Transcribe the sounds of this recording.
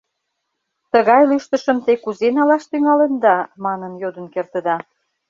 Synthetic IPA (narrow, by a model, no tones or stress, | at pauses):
t̪əɣɑjlyʃt̪ə̆ʃə̆mt̪ekuzenɑlɑʃt̪yŋɑlənd̪ɑmɑnənjod̪ə̆nkert̪ə̆d̪ɑ